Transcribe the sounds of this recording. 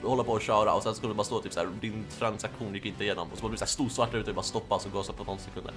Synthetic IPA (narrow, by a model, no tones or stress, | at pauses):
hɔlːapɔːɕœːɾa̰ɔsɛnsɔkʰɵnbɑɾast̪oːt̪ʰyːpsæ̰ːɾd̪ɪnt̪ʰɾansakɧuːnjɪkːɪnt̪əɪjeːnɔ̰mɔsɔmɔd̪blɪsæːʂt̪uːsvaʈːaɾʉt̪avɪbɑɾast̪ɔpːaɔsɔɡoːsɔpʰɔnɔnsɛkʰɵnd̪ə̰ɾ